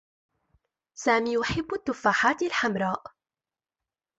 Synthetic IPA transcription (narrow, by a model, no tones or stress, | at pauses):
saːmiːjʊħɪbːʊt̪ːʊfaːħaːt̪alħamɾˤɑːʔ